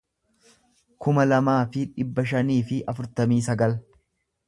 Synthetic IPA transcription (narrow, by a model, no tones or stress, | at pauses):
kʊmɐlɐmaːfɪᶑɪbːɐʃɐniːfɪʔɐfʊɾt̪ɐmiːs̬ɐɡɐl